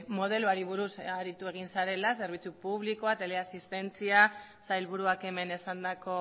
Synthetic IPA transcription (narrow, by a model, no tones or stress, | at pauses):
mo̞ð̞e̞luaɾiβ̞uɾusaɾit̪ue̞ɣ̞insaɾe̞lase̞ɾβ̞it͡supuβ̞likoat̪e̞le̞asist̪e̞nt͡siasajlβuɾuake̞me̞ne̞sand̪ako̞